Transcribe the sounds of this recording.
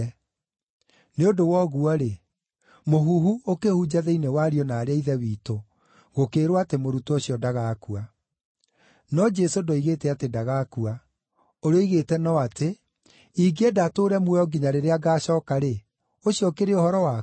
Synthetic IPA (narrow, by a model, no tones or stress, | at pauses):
neodowɔɣuɔɾe | moɦuːɦuokehud͡ʑaðɛinewaɾiɔnaːɾeaiðɛwiːto | ɣokeːɾwatemoɾutooɕijɔdaɣaːkua | nɔd͡ʒɛsodoiɣetɛatedaɣakua | oɾeɔiɣetɛnɔate | iɡedatoːɾɛmwɛɔɡiɲaɾeɾeaɡaːɕɔːkaɾe | oɕiɔkeɾeohɔɾɔwa